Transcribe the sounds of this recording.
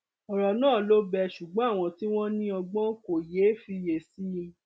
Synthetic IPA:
ɔ˨ɾɔ˨nãː˦˨lo˦bɛ˧ʃu˨ɡ͡bɔ̃˨˦a˦˨w̃ɔ̃˧ti˦w̃ɔ̃˦nĩ˦ɔ˧ɡ͡bɔ̃˦ko˨je˨˦fi˧je˨si˦˧

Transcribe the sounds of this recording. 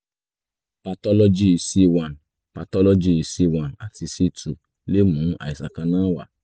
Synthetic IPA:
pa˧tɔ˦lɔ˦d͡ʒi˦˧si˦wa˨n | pa˧tɔ˦lo˦d͡ʒi˦i˧si˦˧wã˨na˨ti˧si˦tu˨ | le˦mũ˨˦a̰˨i˨sa˨kã˧nãː˦wa̰˦˨

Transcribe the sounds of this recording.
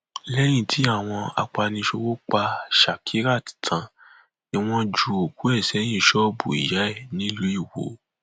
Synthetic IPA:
lɛ˦j̃ĩ˦˨tʰi˨˦a˦˨w̃ɔ̃˧a̰˧k͡pa˧nĩ˧ʃo˧wo˦k͡pa˧ʃa˨kʰi˨˦ɾa˦˨ti̥˨tʰã˨ | ni˧w̃ɔ̃˧d͡ʒu˧o˨ku˨˦ɛ˦˨sɛ˨˦j̃ĩ˦˨˦ʃɔ˦bu˨ḭ˨ja˨˦ɛ˦˨nĩ˦lu˨˦i˦˨wo̰˨˦

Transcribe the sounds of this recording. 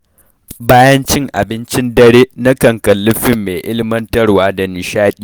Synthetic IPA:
baː˦jɐ˦nt͡ʃɪ˦ŋʔa̰˨bɪ˦nt͡ʃɪ˦ndɐ˦ɽeː˦nɐ˦kɐ˨ŋkɐ˨lːʊ˦ɸɪ˦mːeː˨ʔɪ̰˦lɪ˦mɐ˦ntɐ˦rwaː˦da˨nɪ˨ʃaː˦ɗʲiː˦˨

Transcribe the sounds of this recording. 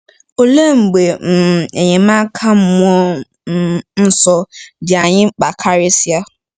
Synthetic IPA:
o˦le˦ŋ͡m̩˨ɡ͡be˨m̩˨e˨ɲɛ̃˨mãː˦kʰa˦m̩˦mʊ̃˦ɔ˦ | n̩˦sɔ˨dɪ˨a˨ɲɪ̃˦k͡pa˨kʰa˦ɾe˦si˦a˦

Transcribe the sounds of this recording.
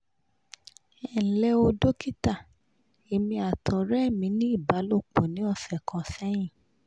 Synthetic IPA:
ɛ˨n̩˨lɛ˧o˧do˦ki˦ta˦˨ | e˨mĩ˧a˨tʰɔ˨ɾɛ˦˨mĩ˧˦nĩ˦i˦˨ba˨˦lo˦˨k͡pɔ˨nĩ˨˦ɔ˧˨fɛ˨kɔ̃˨sɛ˦j̃ĩ˦˨

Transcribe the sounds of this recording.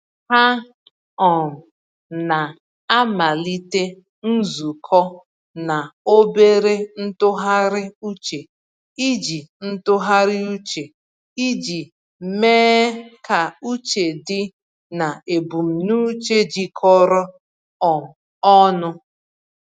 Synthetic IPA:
ha˦ | ɔ˨m̩˨ | na˨ | a˦ma˨li˦te˦ | n̩˦zu˨kʰɔ˦ | na˨o˦be˦ɾe˦n̩˦tʊ˦ɦa˦ɾɪ˦u˦t͡ʃe˨ | i˦d͡ʒi˨n̩˦tʊ˦ɦa˦ɾɪ˦u˦t͡ʃe˨ | i˦d͡ʒi˨ | meː˦ka˨u˦t͡ʃe˨dɪ˦ | na˨e˨bu˨m̩˨nu˦t͡ʃe˦d͡ʒi˨kʰɔ˦ɾɔ˦ | ɔ˨m̩˨ | ɔ˦nʊ˦

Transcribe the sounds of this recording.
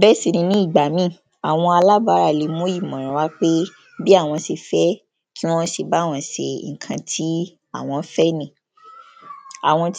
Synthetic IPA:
bɛ˦si˨nĩ˧nĩ˦i˦˨ɡ͡ba˨mĩ˦˨ | a˨w̃ɔ̃˧a˧la˦ba˨˦ɾa˦˨li˨˧˦mũ˦i˦˨mɔ̃˨ɾ̃ã˨˦wa˦k͡pe˦ | bi˦a˦˨w̃ɔ̃˧si˧fɛ˦ | ki˦w̃ɔ̃˦ʃi˧ba˨˦˨w̃ɔ̃˨˦ʃḛ˧˨kʰã˧tʰi˦ | a˦˨w̃ɔ̃˧˦fɛ˦nĩ˦˨ | a̰˨w̃ɔ̃˧t

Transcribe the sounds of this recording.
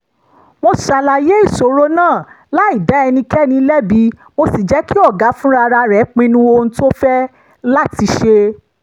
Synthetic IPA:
mo˧˨ʃa˨la˨je˦i˦˨so˨ɾo˦nãː˦˨ | la˦i˦˨da˨˦ɛ˧nĩ˧kɛ˦nĩ˧˦lɛ˦bi˨˦mo˧si˨d͡ʒɛ˨˦ki˦ɔ˦˨ɡa˨˦fũ˦ɾa˧ɾa˧ɾɛ˨˦k͡pĩ˧nũ˧wo˧ñ̩˧˦to˦fɛ˦ | la˦ti˧ʃe˧

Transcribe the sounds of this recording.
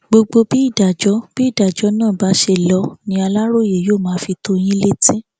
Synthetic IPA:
ɡ͡bo˧ɡ͡bo˧bi˦i˦˨da˨d͡ʒɔ˨˦b̥i˦i˦˨da˨d͡ʒɔ˨˦nãː˦˨ba˨˦ʃe˧lɔ˨˦nĩ˦a˧la˦ɾo˦˨je˨joː˦˨mãː˨˦fi˧to˦j̃ĩ˦le˦tĩ˦

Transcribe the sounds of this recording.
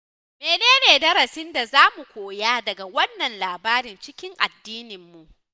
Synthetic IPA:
meː˨neː˦neː˨dɐ˦ɾɐ˨sɪ˦nda˨zaː˦mu˨kʷoː˨jaː˦dɐ˨ɡa˨wɐ˦nːɐ˨nlaː˨baː˦ɾɪ˨nt͡ʃɪ˦kʲɪ˦ŋʔa̰˨dːiː˦nɪ˨mːu˨ʔ

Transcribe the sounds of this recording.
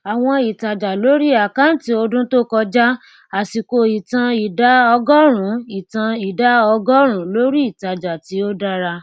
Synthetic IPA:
a˨w̃ɔ̃˧i˨ta˨d͡ʒa˨lo˦ɾi˦a˨ka˦n̩˦ti˧o˧dũ˦to˦kɔ˧d͡ʒa˦ | a˨si˨ko˨˧i˨tã˧i˨da˨˦ɔ˧ɡɔ˦ɾ̃ũ˨˦i˨tã˧i˨da˨˦ɔ˧ɡɔ˦ɾ̃ũ˨˦lo˦ɾi˦i˦˨ta˨d͡ʒa˨ti˨˦o˦da˦ɾa˧

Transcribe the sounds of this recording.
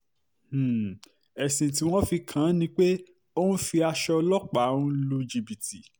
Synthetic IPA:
ɛ˨sĩ˨t̬i˨˦w̃ɔ̃˦fi˧kʰã˨˦nĩ˧k͡pe˦ | o˦nũ˦fi˧a˧ʃɔ˧lɔ˦k͡pa˨˦ũ˦lu˧˦d͡ʒi˧bi˨ti˨

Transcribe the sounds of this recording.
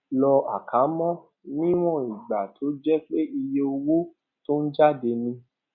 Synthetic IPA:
lɔ˧a˨ka˨˦mɔ̃˦ | nĩ˦w̃ɔ̃˦˨i˨ɡ͡ba˨tʰo˨˦d͡ʒɛ˦k͡pe˦i˧je˦o˧wo˦ | to˦n̩˦d͡ʒa˦˨de˧nĩ˧

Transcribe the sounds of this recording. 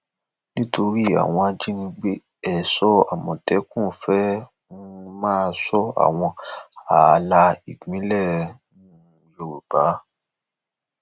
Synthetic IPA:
nĩ˦tʰo˧ɾi˦a̰˨w̃ɔ̃˧a˧d͡ʒi˦nĩ˧ɡ͡be˦ | ɛ˦˨sɔ˦a˨mɔ̃˨tɛ˨˦kũ˦˨fɛ˦ | ũ˦mãː˦˧sɔ˦a̰˨w̃ɔ̃˧a˨la˧i˨ɡ͡bĩ˨˦lɛ˦˨nũ˦ | jo˨ɾo˨b̥a˨˦

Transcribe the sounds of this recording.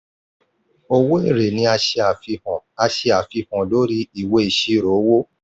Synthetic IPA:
o˧wo˦e˦˨ɾe˨nĩ˧˦a˧ʃe˧a˨fi˧hɔ̃˨a˧ʃe˧a˨fi˧hɔ̃˨lo˨˦ɾi˦i˦˨we˧˦i˨ʃi˦ɾo˨˦wo˦

